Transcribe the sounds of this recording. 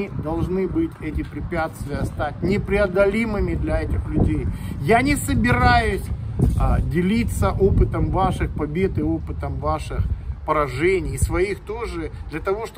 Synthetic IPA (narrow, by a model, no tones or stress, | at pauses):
ɨd̪ɐlˠʐnɨbɨtʲɛtʲɪpɾʲɪpʲæt̪st̪vʲɪjəst̪atʲnʲɪpɾʲɪɐd̪ɐlʲimɨmʲɪd̪lʲɐɛtʲɪxlʲʉdʲejjanʲɪsəbʲɪɾajʊsʲ | dʲɪlʲit̪səʔopɨt̪əmvaʂɨxpɐbʲe̞t̪ɨopɨt̪əmvaʂɨxpəɾɐʐɛnʲɪjsvɐixt̪oʐɨd̪lʲɐt̪ɐvo̞ʂt̪